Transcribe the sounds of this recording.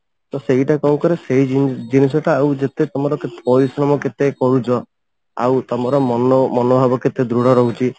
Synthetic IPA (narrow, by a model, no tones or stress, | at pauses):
t̪ɔseɦiʈakɔw̃kɔɾeseɦid͡ʒinis̬ɔʈaːwd͡ʒet̪et̪ɔmɔɾɔket̪pɔɾisɾɔmɔket̪ekɔɾut͡ʃʰɔ | a̰wt̪ɔmɔɾɔmɔnɔmɔnɔbʱabɔket̪ed̪ɾuɽ̤ɔɾɔɦut͡ʃʰi